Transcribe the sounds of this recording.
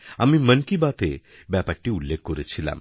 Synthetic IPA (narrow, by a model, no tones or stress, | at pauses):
amimənkibat̪e | bapaʈːiulːekʰkːɔɾet͡ɕʰila̰m